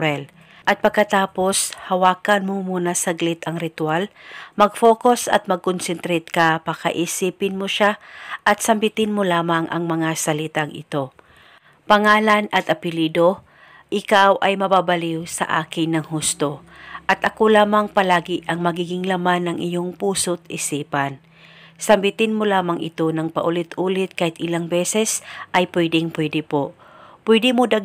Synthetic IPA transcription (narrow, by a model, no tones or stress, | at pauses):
ɾɛl | ʔɐt̪̚pɐɡ̚kːɐt̪aːpo̞shɐwaːkɐnmomuːnɐsɐɡlɪt̪ɐŋɾɪt̪walmɐɡfo̞ːkosɐ̰t̪̚mɐɡ̚konsɛnt̪ɾɛt̪̚kɐpakɐʔiːsiːpɪnmoʃaʔɐt̪̚sɐmbɪt̪ɪnmolaːmɐŋʔɐ̰ŋmɐŋasɐlɪt̪aŋʔɪ̰t̪o̞ | pɐŋaːlɐnɐt̪ʔɐpɪliːd̪o̞ | ʔɪkawʔɐjmɐbaːbɐliwsɐ̰ʔa̰ːkɪŋnːɐŋɦust̪o̞ | ʔɐt̪ʔɐkolaːmɐŋpɐlaːɡɪʔɐŋmɐɡiːɡɪŋlamanːɐŋʔɪjo̞ŋpuːsot̪ʔɪsiːpɐn | sɐmbɪt̪ɪnmolaːmɐŋʔɪ̰t̪o̞nɐŋpɐʔʊlɪt̪ʔuːlɪt̪̚kaːhɪt̪ʔɪlaŋbɛsɛsʔɐjpwɛd̪ɪŋpwɛd̪ɪpo | pwɛd̪ɪmod̪ɐɡ